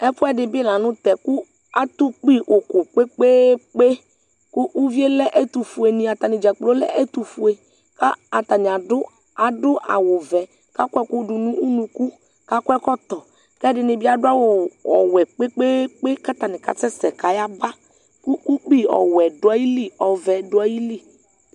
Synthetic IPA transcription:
ɛ˦pʊ˦ɛ˦dɪ˨bi˦e˦lã˨nʊ̃˦t̪ɛ˨ku˦ | a˦t̪u˦k͡pi˦ʔo˨ko˨k͡pe˦k͡pe˦k͡pe˦ | kʊ˦ʔu˦vi˦e˦lɛ˦ʔe˦t̪u˨fu˨e˨nĩ˨a˨t̪a˨nɪ˨d͡ʒa˨k͡plo˦lɛ̰˦ʔɛ˦t̪u˨fu˨e˨ | ka˦a˨t̪a˨nɪ̃˨a˨dʊ˦ | a˨dʊ˦ʔa̰˨wʊ˨vɛ˨ | ka˦kʷɛ˦kʊ˦dʊ˨nũ˦u˦nũ˨ku˦ | ka˦kʷɛ˦kɔ˦t̪ɔ˨ | kɛ˦dɪ˨nɪ˨bi˦a˦dʊ˦a˦wʊ˨ɔ̰˨wɛ˨k͡pe˦k͡pe˦k͡pe˦ka˦t̪a˨nɪ˨ka̰˨t͡sɛ˦sɛ˨ka˨ja˦ba˦ | ku˦ku˦k͡pi˦ɔ̰˨wɛ˨dʊ˨˦a˦ji˦li˦˨ɔ˨vɛ˨dʊ˨˦a˦ji˦li˦˨

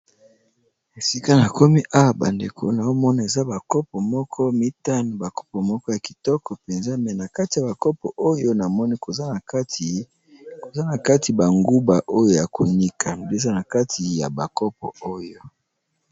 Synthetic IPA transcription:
e˨si˦ka˦na˨ko˦mi˦ʔa˦wa˨ba̰˨ndḛ˨kʰo̰˨na˨jo˦mɔ˦na˨e˨za˦ba˨kɔ˦pɔ˨mɔ˦kʰɔ˦mi˦ta˦no˨ba˨kɔ̥˦pɔ˨mɔ˦kɔ˦ja˨ki̥˨tɔ˦kɔ˨pe˨nza˦mɛ˨na˨ka˦ti˨ja˨ba˨kɔ˦pɔ̰˨ʔo˦jo˦na˨mɔ˦ni˦ko˨za˦˨˦ | ko˨za˦na˨ka˦tʰi˨ba˨ŋɡu˦ba˨ʔo˦jo˦ja˨ko˨ɲi˦kʰa˨nde˦˨za˦na˨ka˦ti˨ja̰˨ba˨kɔ˦p̚ɔ̰˨o˦jo˦

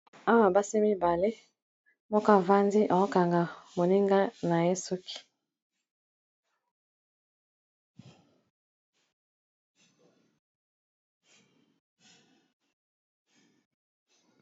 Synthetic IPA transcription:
a˦wa˨ba˦se˦mi˦ba˨le˦ | mɔ˦ka˦˨va˦nzi˦ʔa˨o˦ka˨ŋɡa˨mo˨ni˦ŋɡa˦na˨je˦su˦ki̥˨

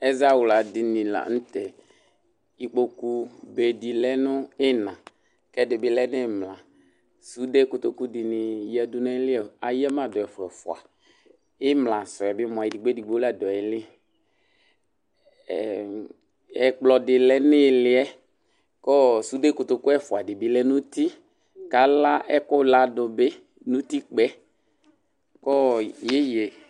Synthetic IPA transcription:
ɛ˦za˦wʊ˨la˨dɪ˨nĩ˨la̰˨n̩˦t̪ɛ˨ | i˨k͡po˨ku˦be˨di˨lɛ˦nʊ̃˦ɪ˦nã˨ | kɛ˦dɪ˨bɪ˦lɛ˦nɪ˦˨mlã˨ | su˦de˦kʊ˨t̪o˨ku˦dɪ˨nɪ˨jɛ˨dʊ˦nɛ̃˦lɪ˦ɛ˨a˨jɛ˦mã˨dɔ˨ɛ˨fɛ˨fʊ˨a̰˨ | ɪ˦mlã˨sɔ˨ɛ˨bɪ˦mɔ̃˨a˨i˨di˨ɡ͡be˦di˨ɡ͡bo˦la˨dɔ˨ɛ˨lɪ˦˨ | ɛ˨k͡plɔ˨dɪ˨lɛ˦nɪ˦˨lɪ˦ɛ˦ | kɔ˦su˦de˦kʊ˨t̪o˨ku˦ɛ˦fʊ˨a˨dɪ˨bɪ˨˦lɛ˦nũ˦t̪i˦ | ka˨˦la˦ʔɛ˦kʊ˦la˦dʊ˨be˦ | nũ˦t̪i˦k͡pɛ˦ | kɔ˦je˦je˨

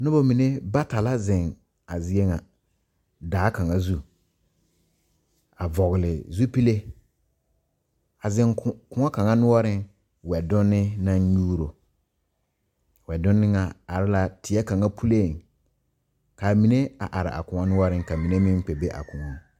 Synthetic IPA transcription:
nʊ˦bɔ˦mĩ˨ne˦ba˦ta˨la˦zɪ̃˨ŋ | a˨zɪ˦e˦ŋa˨ | daː˨˦kã˨ŋa˦zu˦ | a˨vɔ˨ɣɪ˨lɪ˨zu˦pi˦le˦ | a˨zɪ̃˦ŋkʊ̃˨ŋɔ˦kã˨ŋa˦nʊ˦ɔ˦ɾɪ̃˦n | wɛ˨dʊ̃˦nːɪ˦nã˦ɲuː˦ɾo˨ | wɛ˨dʊ̃˦nːɪ˦ŋa˨a˨ɾɪ˦la˨tʰɪ˨ɛ˦kã˨ŋa˦pʰu˦le˦˨ŋ | ka˨mĩ˨ne˦a̰˨ʔa˨ɾɪ̰˨ʔa̰˨kʊ̃˨ŋa˦nʊ˦wɔ˦ɾɪ̃˦ŋka˨mĩ˨ne˦mɪ̃˦n˦k͡pe˨be˦ʔa̰˨kʊ˨ŋɔ˦

